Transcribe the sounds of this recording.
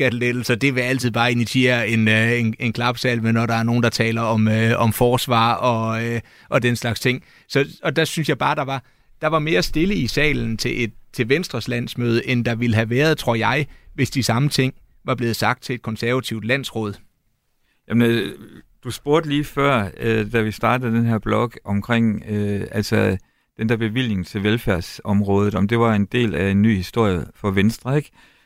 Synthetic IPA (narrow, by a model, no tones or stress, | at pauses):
ɡ̥æd̥led̥l̩sɒ̽d̥e̝ʋe̝æl̰t͡sʰiðˠb̥ɑ̈ːe̝niɕʰie̝̰ːɐe̝ne̝ne̝nkʰlɑ̈b̥sɛ̰ːlmenɒɾɑ̈æɐno̝ːn̩d̥ɑ̈t͡sʰɛ̰ːlɐɒ̽møɒ̽mfɒːsʋɑ̰̈ːɒ̽ø | ʔɒ̽d̥enslɑ̈ɡ̥st͡sʰe̝ŋ̰ | sɒ̽ɒ̽d̥æsynsjɑ̈ɪb̥ɑ̈ːd̥ɑ̈ʋɑ̈ | d̥ɑ̈ʋɑ̈me̝ːɐsd̥e̝ləisɛ̰ːln̩t͡sʰe̝ʔe̝d̥t͡sʰe̝ʋensd̥ʁɐslæn̰smøːð̞ˠəʔend̥ɑ̈ʋiləɦæʋæːɐð̞ˠt͡sʰʁo̝ɐ̰jɑ̈ɪʋe̝sd̥isɑ̈mət͡sʰe̝ŋ̰ | ʋɑ̈b̥le̝ːð̞̩ˠsɑ̈ɡ̥̚d̥̚t͡sʰe̝ed̥̚kʰɒ̽nsæɐʋæt͡sʰiʊ̰d̥læn̰sʁɔ̽ːð̞ˠ | jæmn | d̥usb̥o̝ɐd̥əliːfɶɐ̰ød̥æʋisd̥ɑ̈ːd̥əð̩ˠd̥enɦæɐ̰b̥lɒ̽ɡ̥ɒ̽mkʰʁeŋ̰øælsɒ | d̥end̥æɐb̥e̝ʋil̰ne̝ŋ̩t͡sʰe̝lʋelfæɐ̰sɒ̽mʁɔ̽ːð̞ˠð̩ˠɒ̽md̥e̝ʋɑ̈e̝nd̥e̝̰ːlæe̝nːy̰ːhisd̥o̝ɐ̰jəfɒ̽ʋensd̥ʁɐeɡ̥